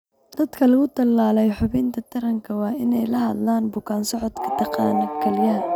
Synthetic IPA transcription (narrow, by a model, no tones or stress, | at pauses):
d̪̥ɐd̪kʰɐlɐɣʊt̪ʰɐlːaːlɛjħʊβɪnt̪ʰɐt̪ʰɐɾɐŋkʰɐwɑːɪnɛjlɐɦɐd̪laːnbʊkʰaːnsɔʕɔd̪kʰɐ̥t̪ʰɐqɑːnɐkʰɐlɪjaː